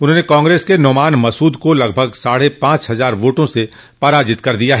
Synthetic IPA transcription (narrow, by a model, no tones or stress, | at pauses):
ʊnɦõːnekãːŋɡɾeːskenɔːmaːnmɐsuːd̪kolɐɡbʱəɡsaːɽepãːt͡ʃɦɐzaːɾʋoːʈõse | pɐɾaːd͡ʒɪt̪kɐɾd̪ijaɦɛː